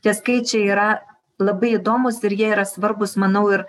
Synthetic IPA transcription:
t̪ʲɛskɐɪt͡ʃʲɛiːɾɐ | lˠɐbɐɪɪd̪oːmʊsɪɾjiɛiːɾɐsʋɐɾbʊsmɐnɐʊɪɾ

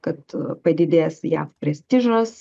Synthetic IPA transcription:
kɐt̪pɐd̪ʲɪd̪ʲeːsjæːfpʲɾʲɛsʲt̪ʲɪʒos

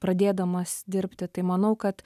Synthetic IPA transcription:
pɾɐd̪ʲeːd̪ɐmɐsd̪ʲɪɾʲpʲt̪ʲɪt̪ɐɪmɐnɐʊkɐt̪

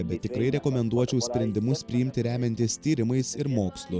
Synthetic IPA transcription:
bʲɛt̪ːʲɪkɾɐɪɾʲɛkoːmʲɛnd̪uɔt͡ʃʲɛʊsʲpʲɾʲɛnʲd̪ʲɪmʊsppʲɾʲɪjɪmʲt̪ʲɪɾʲæːmʲɛnʲt̪ʲɪst̪ʲiːɾʲɪmɐɪsɪɾmoːkslˠʊ

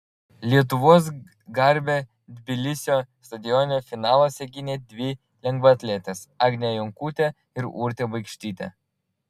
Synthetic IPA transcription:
lʲiɛt̪̬ʊʋoːs̬ | ɡɐɾʲbʲe | d̪ʲbʲɪlʲɪsʲoːst̪ɐd̪ʲɪjɔnʲoːfʲɪnɑːlˠoːsʲɛɡʲɪnʲeːd̪ʲʋʲɪ | lʲɛŋɡʋɐɐt̪ʲlʲet̪ʲesɑːɡnʲejɔŋkuːt̪ʲe | ɪɾṵːɾʲt̪ʲeːbɐɪkʃʲt̪ʲiːt̪ʲɛ̰

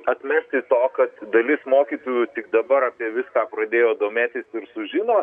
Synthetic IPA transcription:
ɐt̪ʲmʲɛsʲt̪ʲɪt̪oːkɐt̪d̪ɐlʲɪsmoːkʲiːt̪ojut̪ʲɪkd̪ɐbɐɾɑːpʲiɛʋʲɪskɑːpɾɐd̪ʲeːjoːd̪oːmʲeːt̪ʲɪsɪɾsʊʒʲɪnoː

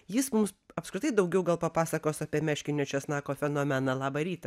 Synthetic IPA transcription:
jɪsmʊmsɐpskɾʲɪt̪ɐɪd̪ɐʊɡʲɛʊɡɐlˠpɐpɑːsɐkoːsɑːpʲiɛmʲæːʃʲkʲɪnʲot͡ʃʲɛsnɑːkoːfʲɛnoːmʲɛnɐlˠɑːbɐɾʲiːt̪ɐ

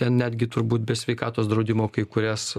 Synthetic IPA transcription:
t̪ʲɛnnʲæːd̪ʲɡʲɪt̪ʊɾbuːt̪̚bʲɛsʲʋʲɛɪkɑːt̪oːsd̪ɾɐʊd̪ʲɪmoːkɐɪkʊɾʲæs

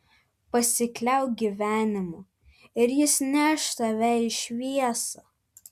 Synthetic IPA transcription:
pɐsʲɪklʲɛʊɡʲiʋʲæːnʲɪmʊ | ɪɾjɪsnʲæːʃt̪ɐʋʲɛɪʃʲʋʲiɛsɐ

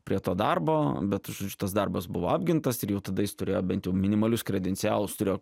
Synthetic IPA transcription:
pʲɾʲiɛt̪oːd̪ɐrboːbʲɛt̪ʒod͡ʒʲʊt̪ɐsd̪ɐrbɐsbʊʋoːɑːbʲɡʲɪnt̪ɐsɪɾjɛʊt̪ɐd̪ɐjɪst̪ʊɾʲeːjoːbʲɛnt̪jɛʊmʲɪnʲɪmɐlʲʊskɾʲɛd̪ʲɛnʲsʲɪæːlˠʊst̪ʊɾʲeːjoː

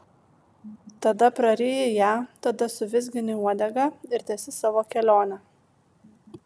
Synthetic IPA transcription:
t̪ɐd̪ɐpɾɐɾʲeːjɛjæːt̪ɐd̪ɐsʊʋʲɪzʲɡʲɪnʲɪuɔd̪ʲɛɡɐɪɾt̪ʲɛːsʲɪsɑːʋoːkʲɛlʲoːnʲɛ

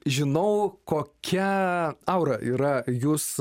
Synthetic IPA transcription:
ʒʲɪnɐʊkoːkʲʰɛɐʊɾɐʔiːɾɐjuːs

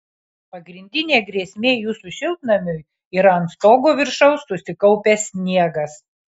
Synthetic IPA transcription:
pɐɡɾʲɪnʲd̪ʲɪnʲeːɡɾʲiɛsʲmʲeːjuːsʊʃʲɪlʲˠt̪nɐmʲʊj | iːɾɐɐnt̪st̪oːɡoːʋʲɪɾʃɐʊsːʊsʲɪkɐʊpʲɛsʲsʲnʲiɛɡɐs

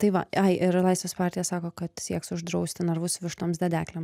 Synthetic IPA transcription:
t̪ɐɪʋɐ̰ɐɪʔɪɾlˠɐɪsʋʲeːspɑːɾʲt̪ʲɪjɛsɑːkoːkɐt̪sʲiɛksʊʒd̪ɾɐʊsʲt̪ʲɪnɐɾʋʊsʋʲɪʃt̪oːmsd̪ʲɛd̪ʲæːklʲɛms

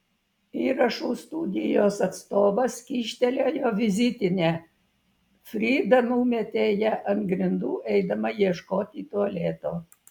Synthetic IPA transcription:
iːɾɐʃuːst̪ud̪ʲɪjoːsɐt̪st̪oːʋɐskʲiːʃʲt̪ʲɛlʲoːjoːʋʲɪzʲɪt̪ʲɪnʲeː | fʲɾʲiːd̪ɐnuːmʲɛt̪ʲeːjɛʔɐnt̪ɡɾʲɪnd̪uːʔɛɪd̪ɐmɐjiɛʃkoːt̪ʲiːt̪oɐlʲeːt̪oː

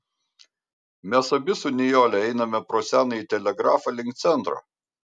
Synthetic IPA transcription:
mʲɛsɐbʲɪsʊnʲɪjoːlʲɛɛɪnɐmʲɛpɾoːsʲæːnɐit̪ʲɛlʲɛɡɾɑːfɑlʲɪŋʲkt̪sʲɛnˑt̪ɾo̰ː

